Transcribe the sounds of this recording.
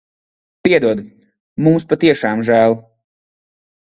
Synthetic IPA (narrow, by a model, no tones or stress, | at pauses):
piɛd̪uɔd̪ | mumspat̪iɛʃɑːmʒæːlˠ